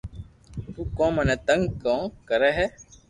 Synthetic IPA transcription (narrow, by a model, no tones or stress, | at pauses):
t̪uːkõːmənẽːt̪əŋɡkõːkəɾɛːɦɛː